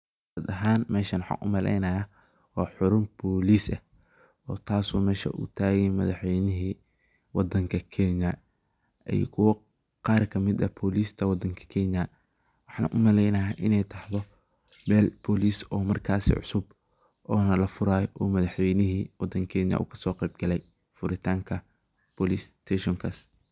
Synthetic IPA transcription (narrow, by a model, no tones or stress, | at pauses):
ɐd̪ɐɦaːnmɛːʃɐnwħɑ̰ːkʰʊmɐlʔɛ̰jnɐja | wɑːħʊɾʊmbɔːliːsɐ | ɔːt̪ʰaːswɔːmɛːʃɐ̰ʔṵːt̪ʰaːɣɛjmɐðɑħwɛjnɪɦiː | wɑd̪ɐŋkʰɐkʰɛːnɐ | ʔɛ̰jkʰʊwɐ | qɑːrkʰɐmɪd̪ɐ̰bʰɔːliːst̪ʰɐwɑd̪ːɐŋkʰɐ̥kʰɛnjɐ | wɑħɑ̰ːnɐʔʊmɐlɛjnɐɦaːʔɪnɛjt̪ʰɑħðɔ | bɛːlbɔliːsɔːmɐrkʰaːsḭʕʊ̰sʊb | ɔːnɐlɐfʊɾaːjɔʔɔːmɐðɑħwɛjnɪɦiːwɑd̪ɐŋkʰɛːnjɐ̰ʔṵːkʰɐ̥sɔːqɛjb̚ɡɐlɛj | fʊɾɪt̪ʰaːŋkʰɐ | pɔlist̪ʰɛʃɔŋkʰas